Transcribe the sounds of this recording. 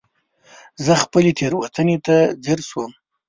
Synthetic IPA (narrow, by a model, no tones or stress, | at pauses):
zəxpəlet̪ʰeɾwat̪ənet̪ad̪eɾswəm